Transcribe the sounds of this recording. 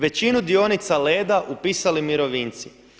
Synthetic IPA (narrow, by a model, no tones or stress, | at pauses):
ʋe̞t͡ɕinud̪io̞nit̪sale̞ːd̪aʔupiːsalimiɾo̞ʋiːnt̪si